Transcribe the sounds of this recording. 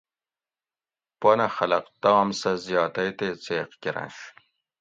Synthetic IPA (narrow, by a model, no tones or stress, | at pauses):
ponɐxɐlɐqt̪aːmsɐzjɑːt̪ɐjt̪et͡seːqkʲiɾɐ̰nʂ